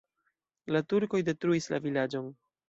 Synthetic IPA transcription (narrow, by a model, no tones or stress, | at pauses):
latuɾko̞jde̞tɾuisla̰vilad͡ʒon